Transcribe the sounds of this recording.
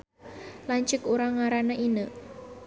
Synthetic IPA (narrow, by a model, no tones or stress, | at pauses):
lant͡ʃɪkuɾaŋaɾanaʔinə